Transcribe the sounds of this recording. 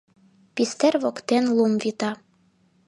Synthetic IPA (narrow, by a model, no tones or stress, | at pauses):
pist̪erβokt̪enlˠumvit̪ɑ